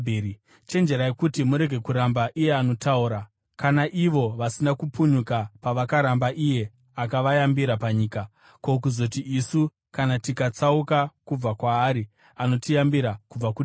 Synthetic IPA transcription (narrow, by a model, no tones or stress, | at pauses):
t͡ʃe̞nd͡ʒe̞ɾajekutimuɾe̞ɡʱekuɾambaʔije̞ano̞tauɾa | kanaʔiʋo̞ʋasinakupuɲukapaʋakaɾambaʔije̞ | akaʋajambiɾapaɲiːka | kok̬uzo̞tiʔisu | kanatikat͡saukakub͡vakwaːɾi | ano̞tijambiɾakub͡vaku